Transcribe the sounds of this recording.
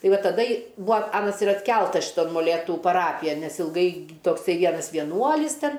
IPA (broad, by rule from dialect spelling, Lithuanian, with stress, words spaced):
ˈtɐɪ ˈʋɐ tɐˈdɐ ɪ ˈbuːɐ ˈɑːnɐs ɪr ɐtʲˈkʲɛlˠtɐs ʃʲɪˈtoːn moːˈlʲeːtʊ pɐˈrɑːpʲɪjɛn ˈnʲɛs ɪlˠˈɡɐɪ toːkˈsɐɪ ˈʋʲiɛnɐs ʋʲiɛˈnuɔlʲɪs ˈtʲɛn